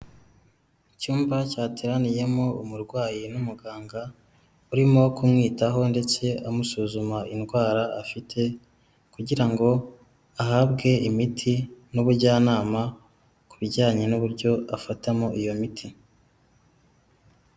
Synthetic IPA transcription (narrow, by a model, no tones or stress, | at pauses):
cuːmbacaːtʰeɾanije̞mo̞umuɾɡwaːjinumuɡaːŋɡa | uɾimo̞kumŋiːtaɦo̞nde̞t͡se̞ʔamusuːzumaʔinɡwaːɾaːfitʰe̞ | kuɟiɾaŋɡo̞ | ahabɡe̞imitʰinuβuɾɟaːnaːma | kuβiɟaːɲe̞nuβuɾɟo̞afatamoʔijo̞mitʰi